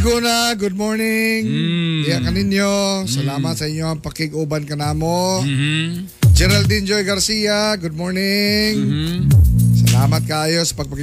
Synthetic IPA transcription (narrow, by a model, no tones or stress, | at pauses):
ɡunaɡʊd̪̚moɹnɪŋkɐjakɐnɪnjosɐlaːmɐt̪̚sɐʔɪɲːoɐŋpɐkɪɡʊːbɐnkɐnaːmo | d͡ʒɛɾɐld̪ind͡ʒojɡɐɾsijaɡʊd̪̚moːɹnɪŋ | sɐlaːmɐt̪̚kaːjo̞sɐ̥pɐɡ̚pɐk